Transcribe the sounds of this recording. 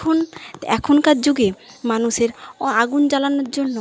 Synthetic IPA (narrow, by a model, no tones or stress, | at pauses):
onɛ̰kʰonkad͡ʑd͡ʑoɡemanuʃeɾaɡund͡ʑalanoɾd͡ʑonːo